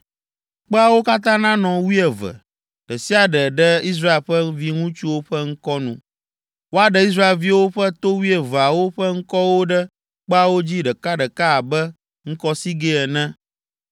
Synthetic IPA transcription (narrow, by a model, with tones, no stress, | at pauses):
k͡pɛ˦a˨wo˦ka˦t̪̬ã˦nã˦nɔ̃˨wi˦ɛ˨və̰˨ | ɖ̥ɛ˨si˦a˨ɖɛ˨ɖɛ˦i˦s̬ɾa˦e˨lɸɛ˦vi˦ŋũ˦t͡ʃu˦wo˦ɸɛ˦ŋ̩˦kɔ˦nṵ̃˨ | wo˦a˨ɖɛ˦i˦s̬ɾa˦e˨lvi˦wo˦ɸɛ˦t̪o˦wi˦ɛ˨və˨a˨wo˦ɸɛ˦ŋ̩˦kɔ˦wo˦ɖɛ˦ | k͡pɛ˦a˨wo˦d͡ʑi˦ɖɛ˨ka˦ɖɛ˨ka˦a˨bɛ˦ | ŋ̩˦kɔ˦si˦ɡe˦ɛ˨nɛ̃˦